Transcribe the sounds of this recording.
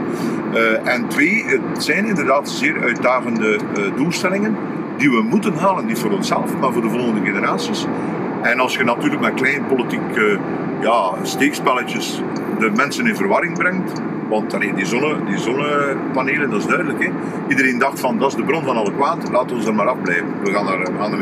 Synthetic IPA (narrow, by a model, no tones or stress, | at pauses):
ʔɛntʋeːətsɛjnɪndərdaːtz̥eːɾœɥt̚daːɣəndə | dulˠstɛlɪŋən | diʋəmutənɦaːlənːitfoːɾɔnsɛ̰ləfmaːrvoːrdəvɔlˠɣəndəɣenəɾaːsis | ɛnɑlˠsxənɑtyːrləkmɛklɛjnəpolitikə | jaː | steːkspɛlət͡ʃəs | dəmɛnsənɪnvərʋɑɾɪŋbɾɛŋt | ʋɑntɑleːndizɔnədizɔnəpaneːləndɑɪzdœɥdələkɛ | idəɾeːndɑxtfɑndɑɪzdəbrɔnvɑnɑlˠəkwaːtlaːtənɔnzərmaːɾɑvblɛːvənʋəɣaːnərəɣaːnə